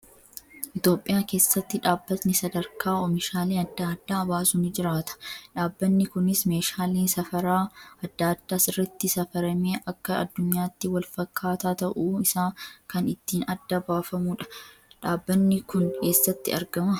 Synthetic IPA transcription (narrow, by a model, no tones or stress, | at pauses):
ʔɪt̪jo̞ːpʼːɪjaːke̞ːsːɐt̪ːɪᶑaːbːɐt̪nɪsɐd̪ɐɾkʰaːɔmɪʃaːleːɐd̪ːaːd̪ːaːɐbaːsʊnɪd͡ʒɪɾaːt̪ɐ̥ᶑaːbːɐnːɪkʊnɪsme̞ːʃaːleːnsɐfɐɾaːɐd̪ːaːd̪ːaːsɪrːɐt̪ːɪsɐfɐɾɐmeːʔɐkːɐɐ̰d̪ːʊɲːaːt̪ːɪwɐlfɐkːaːt̪aːt̪ɐʔuːɪsaːkɐnɪt̪ːiːnɐd̪ːɐbaːfɐmuːᶑɐ̥ᶑaːbːɐnːɪkʊnke̞ːsːɐt̪ːɪ̰ɐɾɡɐmɐ